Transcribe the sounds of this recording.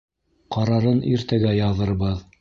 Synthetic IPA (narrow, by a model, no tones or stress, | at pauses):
qɑɾɑɾɤniɾt̪æɡæjɑðɤ̆ɾbɤð